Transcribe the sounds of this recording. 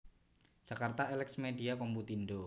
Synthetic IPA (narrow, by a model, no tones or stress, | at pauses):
d͡ʒ̥akart̪aelɛksmediakɔmbut̪indo